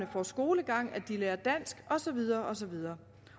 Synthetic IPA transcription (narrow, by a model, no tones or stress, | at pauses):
nəfɒsɡ̥o̝ːləɡ̥ɑ̈ŋ̰æd̥ileːɐd̥æn̰sɡ̥ɒ̽sɒ̽ʋið̞ˠɐːʔɒ̽sɒ̽ʋið̞ˠɐː